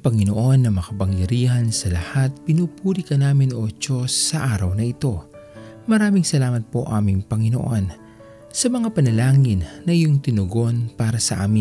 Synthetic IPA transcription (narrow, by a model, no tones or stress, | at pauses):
pɐŋɪnoʔo̞nːɐmɐkɐpɐŋjɐɾiːhɐnsɐlɐhat̪̚pɪnuːpuːlikɐnaːmɪnʔot͡ʃo̞sːɐʔaːɾɐwnɐʔɪt̪o̞ | mɐɾaːmɪŋsɐlaːmɐt̪̚po̞ʔaːmɪŋpɐŋɪno̞̰ʔo̞n | sɐmɐŋapɐnɐlaːŋɪnːɐʔɪjoŋt̪ɪnʊɡo̞npaːɾɐsɐʔa̰ːmɪn